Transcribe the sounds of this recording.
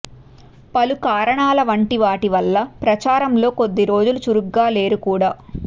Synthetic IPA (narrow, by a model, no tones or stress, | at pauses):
pɐlukaːɾɐɳaːlɐʋɐɳʈiʋaːʈiʋɐlːɐpɾɐt͡ʃaːɾɐmlo̞ːko̞d̪ːiɾo̞ːd͡ʒulut͡ʃuɾuɡːaːle̞ːɾukuːɽaː